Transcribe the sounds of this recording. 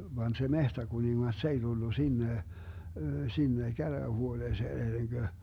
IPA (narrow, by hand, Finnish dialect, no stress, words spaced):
ʋɑːn se mehtækuniŋːɑs s ei d̥ulːu sinːe sinːe kæræːhuoneːseːn enːeŋɡ̊ø